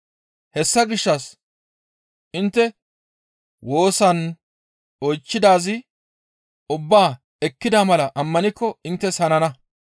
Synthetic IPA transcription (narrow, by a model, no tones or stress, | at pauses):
hɛsːɐɡɪʃːɐs | ʔɪnt̪ːɛ | wo̞ːsɐn | ɔjt͡ʃːɪd̪aːzɪ | ʊbːaː | ɛkːɪd̪aːmɐlɐʔɐmːɐnɪkːɔɪnt̪ːɛsɐnɐnɐ